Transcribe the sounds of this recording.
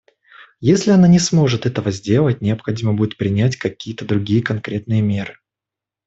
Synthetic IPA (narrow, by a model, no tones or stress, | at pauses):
jesʲlʲɪɐnanʲɪsmo̞ʐɨt̪ɛt̪əvəzʲdʲe̞lˠət̚ʲnʲɪɐpxɐdʲiməbudʲɪt̪̚pɾʲɪnʲætʲkɐkʲijət̪əd̪ɾʊɡʲijəkɐnkɾʲet̪nɨjəmʲe̞ɾɨ